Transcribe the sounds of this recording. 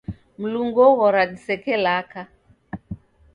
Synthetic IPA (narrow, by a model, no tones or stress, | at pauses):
m̩luŋɡɔɣɔɾadisɛkɛlaka